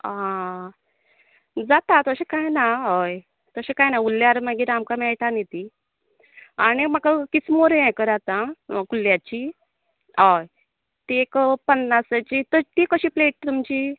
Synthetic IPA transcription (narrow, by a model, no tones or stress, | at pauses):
ã | d͡zat̪at̪əɕekajnaɦɔj | t̪əɕẽkajnaulːjaɾmaɡiɾamkamɛɭʈanet̪i | añimakakit͡smoɾeɛ̃kəɾat̪ãkuljat͡ɕi | aj | t̪iekpənːasət͡ɕit̪ət̪ikəɕiːpleʈ̚t̪umt͡ɕi